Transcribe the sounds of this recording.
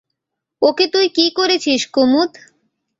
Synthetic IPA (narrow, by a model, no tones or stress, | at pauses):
oket̪ujkikoɾet͡ɕʰiʃkumut̪